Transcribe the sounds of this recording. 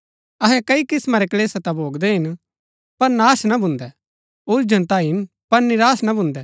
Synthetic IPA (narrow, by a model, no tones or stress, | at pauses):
ɐɦɛkɐikɪsmãɾɛkɐleːsat̪abʱoːɡd̪ɛɦɪn | pɐɾnaːsnabʱʊ̃nd̪ɛ | ʊld͡ʒənt̪aːiɦɪn | pɐɾnɪɾaːsnabʱʊ̃nd̪ɛ